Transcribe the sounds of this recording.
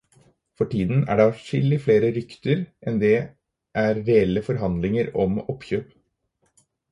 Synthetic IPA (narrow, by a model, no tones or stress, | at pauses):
fɔʈiːd̪n̩æ̰ɖɑːʂɪlːɪfleːɾəɾʏkt̪əɾʔɛnd̪ɛ | ʔæɾɾɛɛlːəfɔɾɦɑnd̪lɪŋəɾɔ̰mɔpçøːp